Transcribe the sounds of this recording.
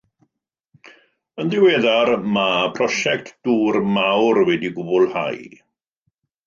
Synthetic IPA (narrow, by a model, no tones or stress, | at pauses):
ənðɪweːðarmapʰrɔʃɛk̚tʰd̥uːrmawrwɛdiɡʊbʊlˠha̰j